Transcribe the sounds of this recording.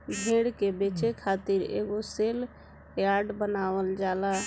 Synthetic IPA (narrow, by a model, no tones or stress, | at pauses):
bʱẽːɽkebeːt͡ʃekʰaːt̪iɾḛːɡoseːl | jaːɖbənaːʋəld͡ʒaːla